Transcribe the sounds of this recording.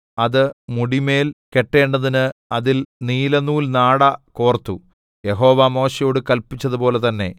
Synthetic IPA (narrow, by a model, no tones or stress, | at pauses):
ɐðɨmuɽime̞ːlke̞ʈːe̞ːɳɖɐðinɨɐðilniːlɐnuːlnaːɽɐkoːrt̪ːu | je̞ɦo̞ːʋɐmo̞ːɕɐjo̞ːɽɨkɐlpit͡ɕːɐðupo̞ːlet̪ɐnːe̞̰